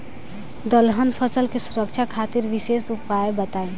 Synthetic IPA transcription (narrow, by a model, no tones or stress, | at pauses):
d̪əlɦənpʰəsəlkesuɾək̚t͡ʃʰakʰat̪iɾʋisesupajbət̪ae